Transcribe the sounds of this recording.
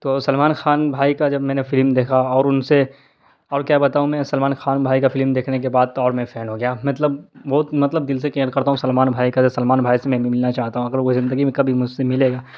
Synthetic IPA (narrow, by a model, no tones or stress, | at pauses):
t̪oːsɐlmaːnxaːnbʱaːikad͡ʒɐbmɛ̃ːnefɪlmd̪eːkʰaɔːɾʊnse | ɔːɾkjaːbɐt̪aːɦũmɛ̃ːsɐlmaːnxaːnbʱaːikafɪlmd̪eːkʰnek̬ebaːd̪̚ɔːɾmẽfʰɛːnɦoɡɐjaːmɐt̪ləbbɔːt̪mɐt̪ləbd̪ɪlsekĩːəɾkɐɾt̪aɦũsɐlmaːnbʱaːikad͡ʒɐbsɐlmaːnbʱaːisemɛ̃mɪlnat͡ʃaːɦt̪aɦũɐɡəɾʋoizɪ̃nd̪əɡimẽkɐbʱimʊd͡ʒsemɪleːɡaː